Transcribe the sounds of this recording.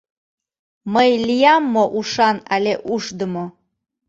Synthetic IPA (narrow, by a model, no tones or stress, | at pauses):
məjlijɑmːoʔuʃɑnæleʔuʃd̪əmo